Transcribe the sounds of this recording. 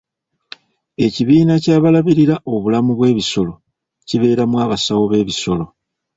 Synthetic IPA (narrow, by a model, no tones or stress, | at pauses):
e̞ciβiːnacaːβalaβiɾiɾaʔo̞βulamuβwe̞ːβiso̞lo̞ | ciβe̞ːɾamwaːβasawo̞βe̞ːβiso̞lo̞